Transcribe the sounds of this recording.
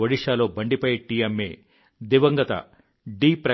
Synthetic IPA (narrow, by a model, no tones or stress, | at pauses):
ɐɽiʂaːloːbɐɳɖipɐjʈiːɐmːeː | d̪iʋɐŋɡɐt̪ɐ̰ | ɖiːpɾɐ